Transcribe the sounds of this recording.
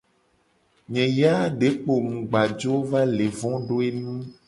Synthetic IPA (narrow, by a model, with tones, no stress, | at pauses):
ɲɛ̃˨ja˦ɖe˨˦k͡po˨mũ˨ɡ͡ba˨d͡ʒo˦va˦le˨vɔ̃˦ɖo˦e˦nũ˦